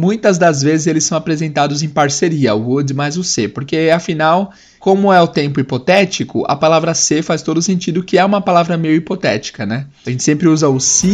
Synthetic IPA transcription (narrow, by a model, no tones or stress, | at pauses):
mũj̃t̪ɐzd̪ɐzvezɪzelɪsɐ̃w̃apɾezẽnt̪ad̪ʊzẽj̃paɾseɾiɐud̪majzʊsepoɾkeɐfinaw | kõmʊɛʊt̪ẽmpʊipot̪ɛt͡ʃikʊʔɐ̰palavɾɐsefast̪od̪ʊsẽnt͡ʃid̪ʊkɪɛũmɐpalavɾɐmejʊipot̪ɛt͡ʃi̥kɐnɛɐʒẽnt͡ʃ̪ɪ̥sẽmpɾɪuzɐʊsi